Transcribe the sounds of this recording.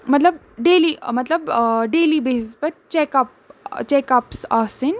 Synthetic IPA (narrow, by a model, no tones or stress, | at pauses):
mɐt̪lɐb | ɖeːlimɐt̪lɐbɖeːliːbeːsespɐɾt͡ʃekaːp̚ | t͡ʃɛːkaːpsasin